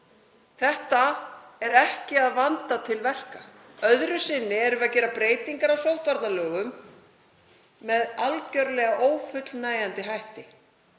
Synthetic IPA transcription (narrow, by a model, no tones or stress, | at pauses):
θɛht̪aɛɾɛhcɪaðvant̪at̪ʰɪlvɛr̥ka | œðɾʏsɪnːɪɛɾʏvacɛːɾapɾeːjt̪iŋkaɾawsowht̪vaɾt̪nalœːɣʏm | ɛðalcœɾlɛːɣaʔoːwfʏt̪lnaːjant̪ɪɦajht̪ɪ